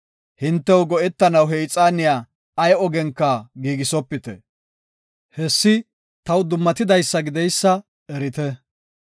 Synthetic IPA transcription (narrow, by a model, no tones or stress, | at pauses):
hɪnt̪ːɛwɡɔʔɛt̪ːɐnɐwɦɛjt͡sʼaːnɪjaː | ɐjɔɡɛŋkːɐɡiːɡɪsɔpːɪt̪ɛ̰ | hɛsːɪ | t̪ɐwd̪ʊmːɐt̪ɪd̪ɐjsːɐɡɪd̪ɛjsːɐ | ɛɾɪt̪ɛ